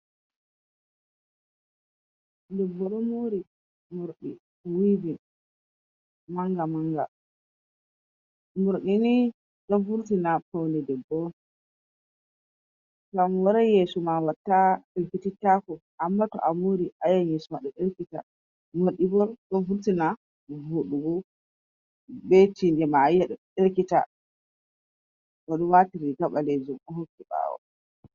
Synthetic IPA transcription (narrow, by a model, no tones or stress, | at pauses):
dɛbːɔɗɔmoɾi | moɾɗḭ | wivin | maŋɡamaŋɡa | moɾɗini | ɗɔfuɾtinapawnɛdɛbːɔ | ŋɡamwɔɾajesumawatːaɗelkititːakɔʔamːatɔ̰ʔamuɾiʔajaɲisumaɗɔɗeɾkita̰ | moɗibɔɾɗɔnfuɾtina | vuɗubɔ | bɛtindɛmajɛɗɔɗelkita̰ | kɔɗɔwatiɾiɡaɓaled͡ʒumɔhokːiɓa̰ːwɔ̰